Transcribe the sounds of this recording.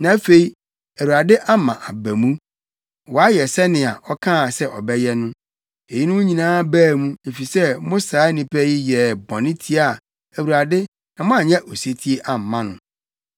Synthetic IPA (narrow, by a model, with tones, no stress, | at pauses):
nã˨˦fe˨i˨ | æ˨wu˨ɾa˨dɪ˦ʔa˦mã˨ʔa˨bæ˨mũ˦ | wɔ˨a˦jɛ˨sɛ˦nɪ̃˨a˨ʔɔ˦kʰã˦˨sɛ˦ʔɔ˨bɛ˦jɛ˦nʊ̃˦ | e˨ji˦nʊ̃˦mũ˦ɲĩ˨nãː˦bæː˦˨mũ˦e˨fi˨sɛ˦mʊ̃˦sa˨˦nĩ˨pʰɛ˦ji˦jɛ˨bɔ̃˨nɪ̃˦tʰi˦a˦˨ | æ˨wu˨ɾa˨dɪ˦ | nã˨mʊ̃˦a˨ɲɛ̃˦ʔo˨se˦tʰi˦e˦ʔa˨m̩˨mã˦nʊ̃˨